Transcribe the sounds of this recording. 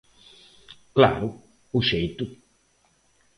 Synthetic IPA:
kla̰ːɾʊ | uʃejt̪u

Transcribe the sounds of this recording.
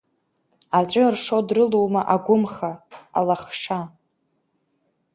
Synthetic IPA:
at͡ɕʷʼʊrʂodrɨlowmaʔaɡʷʊmχaa̰laχʂa

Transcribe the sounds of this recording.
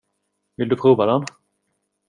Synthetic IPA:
vɪld̪ɵpʰɾuːvad̪ɛn

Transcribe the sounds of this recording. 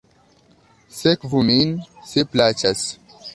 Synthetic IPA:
sekvuminseplat͡ʃas

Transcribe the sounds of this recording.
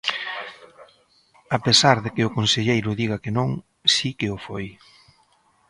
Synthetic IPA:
apesaɾðekɪʊkonseʎejɾʊðiɣɐkenõŋ | sikɪʊfoj

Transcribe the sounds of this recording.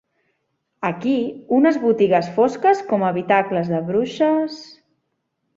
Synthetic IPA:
əkiunəzβut̪iɣəsfoskəskɔməβit̪akləzðəβɾuʃəs

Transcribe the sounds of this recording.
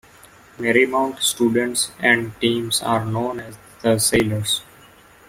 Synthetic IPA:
mɛɾimãʊ̃ɳʈsʈuːɖə̃ɳʈsɛ̃ɳɖʈĩːmsa̰ːɾnõːnɛz | d̪̥əseːləɾs

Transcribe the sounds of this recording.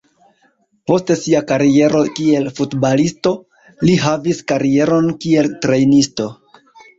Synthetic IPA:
po̞ste̞siakaɾie̞ɾo̞kie̞lfutbalisto̞ | liɦaviskaɾie̞ɾo̞nkie̞ltɾe̞jnisto̞

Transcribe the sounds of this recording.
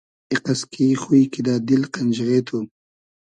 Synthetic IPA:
iqaskʰixuikid̪aːd̪ilqand͡ʒɣeːt̪ʰu

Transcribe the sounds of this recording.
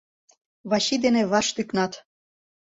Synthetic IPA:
βɑɕid̪eneβɑʃt̪yknɑt̪

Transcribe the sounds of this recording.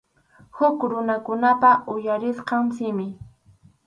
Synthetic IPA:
hʊkɾʊnakʊnapaʊjaɾɪsqɑmsɪmɪ

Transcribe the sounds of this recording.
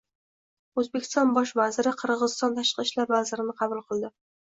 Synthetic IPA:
ɵzbekʲʰɪ̥st̪ɒnbɒʃ̬vazɪɾɪqʰɨɾʁʁɨzɪst̪ɒnt̪ʰaʃqɨʃlaɾvazɪɾɪnɪqʰɑbulˠqʰɨlˠd̪ɪ

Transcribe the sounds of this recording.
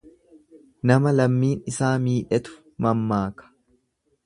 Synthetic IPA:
nɐmɐlɐmːiːnɪsaːmiːᶑɛt̪ʊ̥ | mɐmːaːkɐ̥

